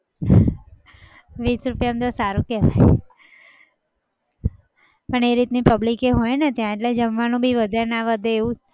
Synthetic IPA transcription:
ʋiːsɾupjamt̪osaɾũkɛɦa̰j | pəɳeɾit̪nipəblikeɦojnet̪jãeʈled͡ʒəmʋanũbʱiʋəd̪ʱaɾnaʋəd̪eːũ

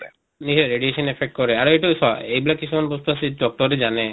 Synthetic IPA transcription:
niseɾeɖieʃɔnepʰek̚ʈ̚kɔɾeaɾejʈusɔejbilakisʰumanbost̪uaseɖɔk̚ʈɔɾed͡ʒane

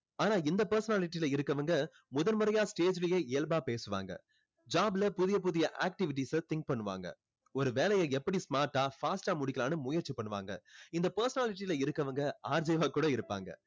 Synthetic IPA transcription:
aːnaːɪnd̪ɐpɐɾsɐnaːlɪʈːilɐɪɾɯkːɐʋɐŋɡɐ | mʊðɐlmɯɾɐjaːsʈeːd͡ʒɪlɐjeːeːlbaːpeːsɯʋa̰ːŋɡɐ̰ | d͡ʒaːbɪlɐpʊðɪjɐp̬ʊðɪjɐʔaːk̚ʈɪʋɪʈ̬ːisɐt̪ɪŋk̚pɐɳːɯʋa̰ːŋɡɐ̰ | ɔɾɯʋeːlɐjɐɛpːɐɽismaːɾʈːaːfaːsʈaːmʊɽɪkːɪlaːnɯmʊjɐɾt͡ʃːipɐɳːɯʋa̰ːŋɡɐ̰ɪnd̪ɐpɐɾsɐnaːlɪʈ̬ːilɐɪɾɯkːɐʋɐŋɡɐaːɾd͡ʒeːʋaːkuːɽɐɪɾɯpːa̰ːŋɡɐ̰

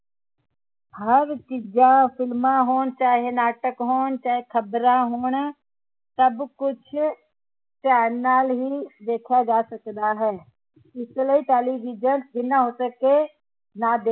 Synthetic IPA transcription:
ɦɐɾt͡ʃɪd͡ʒãfʰɪlmãɦoːnt͡ʃaːɦenaːʈəkɦoːnt͡ʃaːɦekʰɐbɾãɦoːn | sɐbkʊt͡ʃʰ | t͡ʃɛːnalɦid̪eːkʰad͡ʒaːsɐkd̪aɦɛː | ɪsləiʈɛːliʋiːd͡ʒənsbʱinaɦoːsəke | nad̪eː

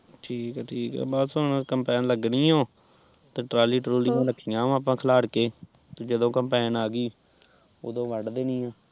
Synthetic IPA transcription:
ʈʰiːkɛːʈʰiːkɛ̰ːbaːd̪soːnãkəmpɛːnləɡniːoː | t̪eːʈɾaːliːʈɾoːlĩːãːɾəkʰːijãːaːp̬ãːkʰəlaːɽkeː | t̪eːd͡ʒəd̪õːkəmpɛːnaːɡiː | o̰ːd̪õːʋəɖd̪eːnĩːãː

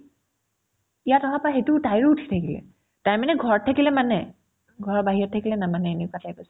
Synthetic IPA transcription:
ijatɔɦapaxetʊtajɹuutʰi̥tʰakilɛ̰ | taɹmanɛɡʱɔɹtʰakilɛmanɛ | ɡʱɔɹbaɦiɔtʰːakilɛnamanɛeniʊkatʰajkɔs

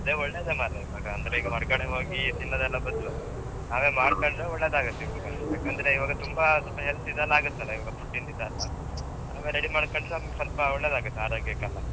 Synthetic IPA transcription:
ɐd̪eːɔɭːeːd̪emaːliʋaːɡɐɐnd̪ɐɾeiɡɐɦɔɾɡɐɽeɦo̞ːɡit̪inːɐd̪ɛlːɐbɐd̪u | naːʋeːmaːɽkɐɳɖɾeɔɭːeːd̪aːɡut̪ːiʋɐɡɐjaːkːaːnd̪ɐɾeiʋaːɡɐt̪umbasɔpɐɦelsid̪ɐlːaːɡut̪ːɐleiʋaːɡɐp̪uʈːind̪id̪aːlːɐ | na̰ːʋeɾeɽimaːɽkɐɳɖɾeɐmɡsɐlpɐɔɭːeːd̪aːɡut̪ːeaːɾoːɡjakɐlːɐ

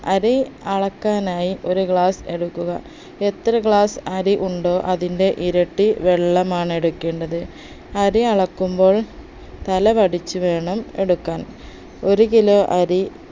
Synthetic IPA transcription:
ɐɾiɐɭɐkːaːnaːjiʔo̞ɾukɭaːse̞ɽukːuɣɐ̰ | et̪ːrɐkɭaːsɐɾiʔuɳɖo̞ːʔɐðinde̞ʔiɾɐʈːiʋeɭːɐmaːɳe̞ɽukːe̞ːɳɖɐðɨ | ɐɾiɐɭɐkːumbo̞ːɭ | t̪ɐlɐʋɐɽit͡ɕːuʋe̞ːɳɐme̞ɽukːaːn | o̞ɾukilo̞ːʔɐɾi

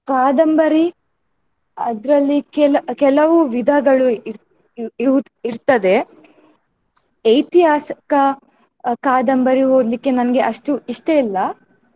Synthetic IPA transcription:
kaːd̪ɐmbɐɾi | ɐd̪ɾɐlːikɛlɐkɛlɐʋuʋid̪ʱɐɡɐɭuiɾ | iʋuiɾt̪ɐd̪e̞ | ɐjt̪iɦaːsɐ̥kɐ | kaːd̪ɐmbɐɾiɦoːd̪likːe̞nɐnɐɡe̞ʔɐʂʈuiʂʈeilːɐ

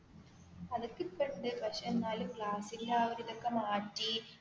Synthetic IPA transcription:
ɐðɐkːɨkːɐɳɖɨpɐʂɐnːaːlkɭaːsiɣlaːʋɐɾiðɐkːɐmaːʈːi

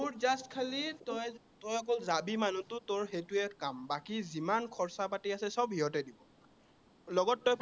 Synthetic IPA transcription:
muɹzastkʰalitɔj | tɔjɔk̬ɔlzabimanutʊtoɹxejtuɛkambakizimankʰɔɹsapatiasɛsɔbɦiɦɔtɛdibɔ | lɔɡɔtːɔj

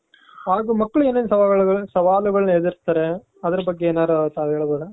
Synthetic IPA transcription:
ɦaːɡumɐkːɐɭeːnːeːnɐsɐʋaːɐɭuɡɐɭsɐʋaːluɡɐɭɐned̪iɾt̪ːɐːɾe | ɐd̪ɐɾɐbɐɡːeeːnaːɾut̪aːʋɦeːɭboːdɐ

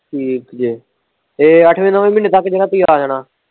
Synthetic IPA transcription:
ʈʰiːkd͡ʒiː | eːəʈʰʋẽːnəʋẽːmɪneːt̪əkːd͡ʒəɾaːt̪iːaːd͡ʒaːnaː

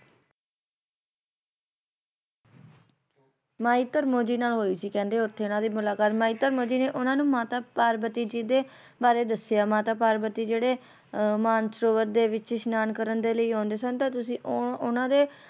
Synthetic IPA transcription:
maːiːt̪əɾmoːd͡ʒiːnaːlɦoːiːsiːkɛ̃ːnd̪eːʊt̪ʰːeːʊnãːd̪iːmʊlaːkaːt̪maːiːt̪əɾmoːd͡ʒiːneːʔʊnãːnũːmãːt̪aːpaːɾbət̪iːd͡ʒiːd̪eː | baːɾeːd̪əsjaːmãːt̪aːpaːɾbət̪iːd͡ʒeːɽeː | maːnsɾoːʋət̪̚d̪eːʋɪt͡ʃʃnaːnkəɾənd̪eːləiːɦõːnd̪eːsənt̪ãːt̪ʊsĩːʔʊnãːd̪eː

